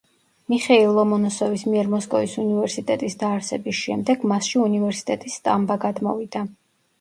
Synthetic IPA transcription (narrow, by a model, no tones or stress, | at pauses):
miχɛilˠɔmɔnɔsɔvismiɛɾmɔskʼɔvisunivɛɾsit̪ʼɛt̪ʼisd̪aːɾsɛbisʃɛmd̪ɛɡ̥masʃiunivɛɾsi̥t̪ʼɛt̪ʼisːt̪ʼambaɡad̪mɔ̰vid̪a